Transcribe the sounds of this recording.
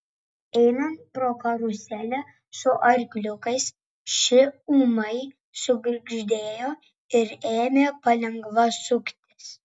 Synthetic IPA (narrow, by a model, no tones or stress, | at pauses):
ɛɪnɐnt̪̚pɾoːkɐɾʊsʲæːlʲɛ | sʊʔɐɾʲkʲlʲʊkɐɪs | ʃʲɪuːmɐɪ | sʊɡɾʲɪɡʒʲd̪ʲeːjoː | ɪɾeːmʲeːpɐlʲɛŋɡʋɐsʊkt̪ʲɪs